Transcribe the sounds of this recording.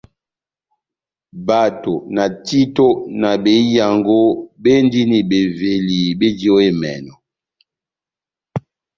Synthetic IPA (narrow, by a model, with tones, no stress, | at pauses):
ba˨to˨na˨ti˦to˦na˨be˨˦ja˨ŋɡo˦be˦ndi˦ni˨be˨ve˨li˨be˦di˦o˦e˦mɛ̰˨nɔ˨